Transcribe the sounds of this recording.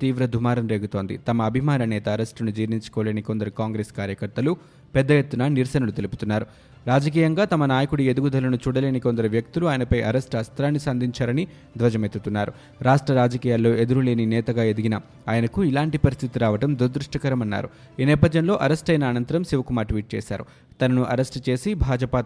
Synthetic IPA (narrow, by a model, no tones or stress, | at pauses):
t̪iːʋɾɐd̪ʱumaːɾɐmɾe̞ːɡut̪o̞ːnd̪ḭt̪ɐmɐːbʱimaːnɐnɛːt̪ɐːɾesʈɐnud͡ʒiːʋniɲt͡ʃu̥koːleːnikond̪ɐɾikaːŋɡɾeːskaːɾjɐkɐɾt̪ɐlu | pɛd̪ːɐjet̪ːunɐniɾsɐnɐlut̪e̞luput̪unːaːɾu | ɾaːd͡ʒɐk̬iːjɐŋɡaːt̪ɐmɐnaːjɐkuɽie̞d̪uɡud̪ʱɐlɐnut͡ʃuːɽɐleːnikond̪ɐɾiʋjɐk̚t̪uluaːjɐnɐpɐjʔɐ̰ɾesʈɐst̪ɾaːnːisɐnd̪ʱiɲt͡ʃaːɾɐni | d̪ʋɐd͡ʒɐmet̪ːut̪unːaːɾṵ | ɾaːʂʈɾɐɾaːd͡ʒɐkiːjaːlːo̞ːe̞d̪uɾule̞ːninɛːt̪ɐɡaːed̪iɡinɐ | aːjɐnɐkuilaːɳʈipɐɾist̪ʰit̪iɾaːʋɐʈɐmd̪uɾd̪ɾuʂʈɐkɐɾɐmɐnːa̰ːɾu | iːnɛːpɐd̪jɐnlo̞ːʔɐɾesʈɐjnɐːnɐnt̪ɐɾɐmsiʋɐkumaːʈʋiːʈ̚t͡ʃɛ̰ːsa̰ːɾu | t̪ɐnɐnuʔɐɾesʈt͡ʃe̞ːsibʱaːd͡ʒɐpaː